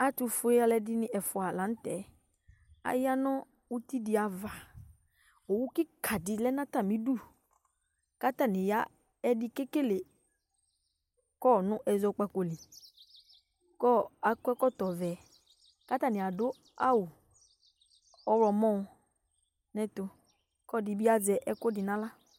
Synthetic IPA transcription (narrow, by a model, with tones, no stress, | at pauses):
a˦tu˨fʊ˦e˦a˦lɛ˨dɪ˦nɪ̃˦ʔɛ˨fʊ˨a˨lã˨˦n˦tɛ˨ | a̰˨ja˦nɔ̃˦ | u˦ti˦dɪ˨a˨va˨ | o˨wu˦kɪ˦kʰa˨dɪ˨lɛ˦nã˦ta˦˨mĩ˦du˦˨ | ka˦ta˦˨nɪ̃˨ja˦ | ɛ˦dɪ˦ke˦ke˦le˨ | kɔ˦˨nʊ̃˦ʔɛ˨zɔ˦k͡pa˨ko˨li˨ | kɔ˦a˨kɛ˦kɔ˦tɔ˨vɛ˨ | ka˦ta˦˨nɪ˨a˨dʊ˦ | a̰˦wʊ˨ | ɔ˦ɾɔ˨mɔ̃˦˨ | nɛ̃˦tʊ˨ | kɔ˦˨dɪ˨bi˦a˦d͡zɛ˨ʔɛ˦kʊ˦dɪ˨nã˦la˦